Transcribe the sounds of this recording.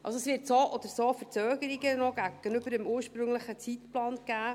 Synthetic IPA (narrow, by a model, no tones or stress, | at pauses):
ʔɑ̰lsoɛsvɪɾtsoʔɔd̥̪əɾsofəɾt͡søːɡəɾiɡənɔɡæɡ̥ənʏb̥əɾəmuːɾʃpɾɵŋləχət͡sitplɑːnɡ̥æː